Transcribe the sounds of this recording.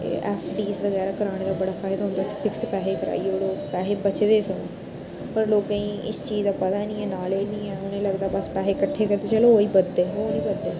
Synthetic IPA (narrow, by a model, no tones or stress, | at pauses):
ɛ̰ːpʰɖiːsʋəɣɛːɾaːkəɾaːɽ̃eːd̪aːbəɽaːfaːɪd̪aːɦʊ̃nd̪aːt̪ʰepʰɪkspɛːɦeːkəɾa̰ːioɽoːpɛːɦeːbət͡ʃd̪eːsə̃n | pəɾloːkãĩːʔɪst͡ʃiːzd̪aːpət̪aːnĩːɛːnaːleːd͡ʒnĩːɛːʊnẽːləɡd̪aːbəspɛːɦeːkəʈʰːeːkəɾd̪eːt͡ʃəloːɦoːiːbəd̪ːeːɦoːnĩːbəd̪ːeː